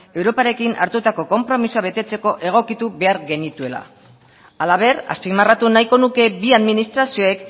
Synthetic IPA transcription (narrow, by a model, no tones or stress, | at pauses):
e̞wɾo̞paɾe̞kina̰ɾt̪ut̪ako̞ko̞mpɾo̞misuaβe̞t̪e̞t͡se̞ko̞ʔe̞ɣ̞o̞kit̪uβe̞aɾɣe̞nit̪ue̞la̰ | alaβ̞e̞ra̰spimarat̪unajko̞nuke̞biaðminist̪ɾasio̞ek